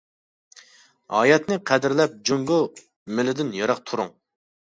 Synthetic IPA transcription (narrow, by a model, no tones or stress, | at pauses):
ɑːjɛt̪nɨqʰæd̪ɪɾlɛp̚d͡ʒuŋɡʊ | mɪlɪd̪ɪnjɑɾɑqt̪ʰuɾuŋ